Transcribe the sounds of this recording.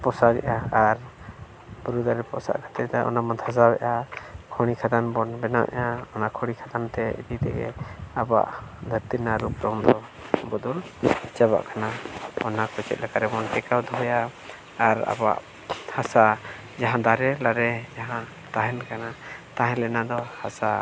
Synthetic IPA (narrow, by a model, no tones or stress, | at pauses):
pɔsaɡɛ̰ʔaaɾ | buɾud̪aɾɛpɔ̰sa̰ʔkʰḁt̪ɛt̪aʔɔ̰namant̪ʰas̬abɛ̰ʔakʰɔɽ̃ikʰad̪anbɔnbɛnaʔɛ̰ʔaɔnakʰɔɽ̃ikʰad̪ant̪ɛḭd̪it̪ɛ̰ɡɛ̰aba̰ʔd̪ʱəɾt̪inaɾupɾɔmd̪ɔ | bɔd̪ɔlt͡ʃɛβa̰ʔkanaɔnakɔt͡ʃɛ̰t̪̚lɛkaɾɛbɔnʈɛkawd̪ɔɦɔjaː | ɾa̰ba̰ʔ | hasa | d͡ʒaɦãd̪aɾɛlaɾɛd͡ʒaɦã | t̪aɦɛnkanat̪aɦɛ̃lɛnad̪ɔhasa